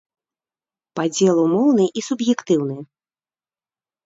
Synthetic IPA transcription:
pad͡zʲɛlˠumɔwnɨʔisubjɛkt̪ɨwnɨj

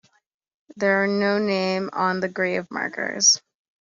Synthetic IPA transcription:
ðə˞ənoʊnẽɪ̃mə̃nðɨɡɹeɪʌvmɑ̰ɹɡə̰˞z̥

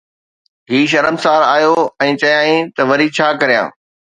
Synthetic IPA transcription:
ɦiːʃ̬ɐɾəmsaːɾaːjoɛ̃ːt͡ɕɐjãːĩt̪ɐʋɐɾit͡ɕʰaːkɐɾijã̰ː

